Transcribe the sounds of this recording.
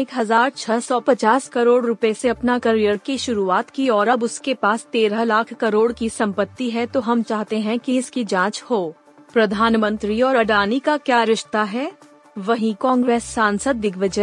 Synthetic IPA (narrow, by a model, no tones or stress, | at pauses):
eːkɦɐzaːɾt͡ʃʰɐsɔpɐt͡ʃaːskɐɾoːɽɾʊpeseɐpnakɐɾijəɾkiʃʊɾuaːt̪kiɔːɾɐbʊskepaːst̪eːɾəlaːkʰkɐɾoːɽkisɐ̃mpət̪ːiɦɛt̪oɦɐmt͡ʃaːɦt̪eɦɛ̃kizkid͡ʒãːt͡ʃhoː | pɾɐd̪ʱaːnmə̃nt̪ɾiɔːɾɐɖaːnikakjaːɾɪʃt̪aɦɛː | ʋɐɦĩkɔ̃ːŋɡɾeːsːãːnsəd̪ːɪɡʋəd͡ʒə